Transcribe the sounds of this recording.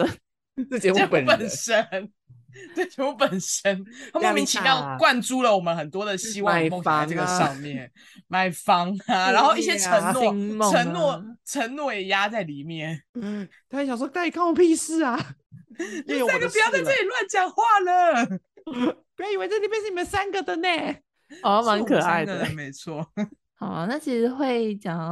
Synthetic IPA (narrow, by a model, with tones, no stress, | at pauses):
u˥˧˥ə˨pə˨˩nʂə˦n | t̪we˥˩ɪt͡ɕɛ˧˥mu˥˩pə˨˩nʂə˦˥na˥˦mo˥˧˩mi˧˦˥ŋt͡ɕʰi˨jɑ˥˧ʊkwa˥˧nʈ͡ʂu˥˩lə˨wɔ˨˩mə˦nxə˨˩nt̪wɔ˦d̪ə˨ɕi˥wɑ˥˧fo˥˧ŋɕʈ͡ʂə˥˩ɡə˩ʂɑ˥˧ʊmjɛ˥˨n | ma˥˩ɪfɑ˦ŋa˧ɻa˧˦nxo˥˧ʊi˥˧ɕjɛ˦˥ʈ͡ʂʰə˧˦ŋnwɔ˥˨ə˧˦ŋnwɔ˥˩ʈ͡ʂʰə˧˦ŋnnwɔ˥˩jɛ˨˩ja˦t͡sa˥˩ɪli˨˩mjɛ˥˨˩nt̪a˥˩n˧ɕɑ˨ŋʂ̬ɔ˥k̪a˥˩i˨˩kʰa˥˩wɔ˨˩pi˥˧s̩˥˩a˩ | jɛ˥jo˨na˥˩ɡə˨pu˨˩jɑ˥˧ʊt̪ʰə˥i˨˩lwa˥˧nt͡ɕjɑ˨˥ŋxwa˥˩lə˨˩ | p̚u˧˩jɑ˥˩ʊi˨˩we˥˧t͡sa˥˩li˨˩jɛ˥nʂ̩˥˩ni˨˩ə˧˦nsa˦nɡə˨d̪ə˨ne˥˨˩ | ɔ˧˦ma˧˥˦ŋkʰɤ˨˩a˥˧˥ɪdme˨˧˦ɪt͡sʰwɔ˥˩ | hɑ˨˩ʊ˦na˥˩t͡ɕʰi˧˥ʂɻ̩˧˥xwe˥˩ɪt͡ɕjɑ˨˩ŋ